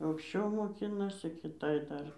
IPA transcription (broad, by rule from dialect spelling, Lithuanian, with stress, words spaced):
ɐʊkʃʲˈt͡ʃʲɛʊ moːˈkʲɪnɐsʲɪ kʲɪˈtɐɪ ˈdɐr